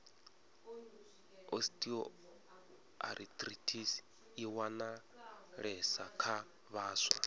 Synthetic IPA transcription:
ostʼiɔ | a̰ɾʔit̪ʼritʰis | iwana | ɺɛsakʰa | βaːswa̰

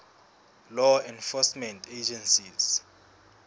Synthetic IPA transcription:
lɔɛnfɔsmɛntʰed͡ʒɛnsiz̥

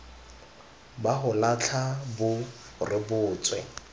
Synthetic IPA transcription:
baɦʊlat͡ɬʰabʊ | rɪbʊːt͡sʼwɛ

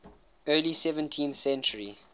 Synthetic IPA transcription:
ɜːlisɛvə̃ntʰĩnθsɛ̃nt͡ʃəɹḭ

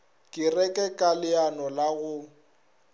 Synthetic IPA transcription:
kʼɪrɛkʼɛkʼalɪanɔlaɣʊ

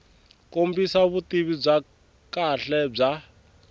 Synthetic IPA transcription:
kombisaβutiβib͡ʐa | kaɬɛb͡ʐa

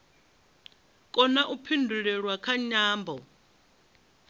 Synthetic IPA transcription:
kʼɔnaʔupʰindʱulɛɺwakʰaɲaːmbʱɔ

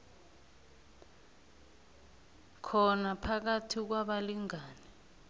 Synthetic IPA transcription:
kʰɔnapʰak̬atʰik̬waɓaliŋaːni

